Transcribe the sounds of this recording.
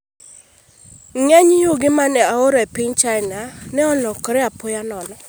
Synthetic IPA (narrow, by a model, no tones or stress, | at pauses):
ŋɛɲjuɡɪmanɛaoɾɔepɪɲt͡ʃaɪnanɛɔlɔkɔɾɛapʊjanɔnɔ